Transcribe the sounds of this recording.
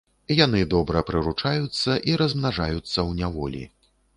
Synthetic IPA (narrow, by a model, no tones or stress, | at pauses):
jan̪ɨd̪ɔbɾɐpɾɨɾut͡ʂajut̪sːɐʔiɾɐzmnaʐajut̪sːɐwnʲavɔlʲḭ